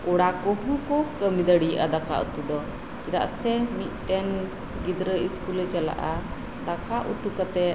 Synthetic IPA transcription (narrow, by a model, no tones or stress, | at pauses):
uɽakɔɦũkɔkəmid̪əɽijʔad̪aka̰ʔṵt̪ud̪ɔ | kid̪a̰ʔsɛmit̪̚ˀt̪ɛn | ɡid̪ɾəiskulɛt͡ʃala̰ʔa | d̪akaʔṵt̪ukat̪ɛ